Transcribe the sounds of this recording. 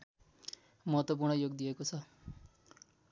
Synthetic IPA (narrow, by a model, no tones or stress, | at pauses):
mʌɦʌt̪wʌp̬urɳʌjoɡ̚d̪ijekot͡sʰʌ